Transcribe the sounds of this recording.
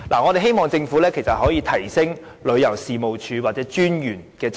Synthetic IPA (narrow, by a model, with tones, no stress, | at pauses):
laː˨˩ŋɔ˨˧ɾe˨ɦe˥jmɔː˨ŋt͡sɪ˧ŋfuː˨˥lɛː˥kʰe˨˩sɐ˨t̚hɔː˨˥jiː˧t̪ʰɐ˨˩jsɪ˥ŋ | lɵ˨˧ɥjɐ˨˩wsiː˨mo˨wt͡ʃʰyː˨˧waː˨˩t̚t͡sɛː˨˥t͡ʃyː˥njyː˨˩nkɛː˧